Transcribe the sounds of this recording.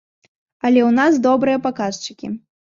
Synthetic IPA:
ɐlʲɛwnasd̪ɔbɾɨjɐpakast͡ʂɨ̥kʲḭ

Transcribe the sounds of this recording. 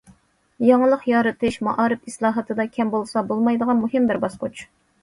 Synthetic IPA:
jɑŋəlˠəqjɑːɾɨt̪ʰɨʃmɑʔɑːɾɨpislˠɑːɦɨt̪ʰɨd̪ɑkʲʰɛmbolˠsɑbolˠmɑjd̪əʁɑnmuɦɨmbɪɾbɑsqʊt͡ʃ

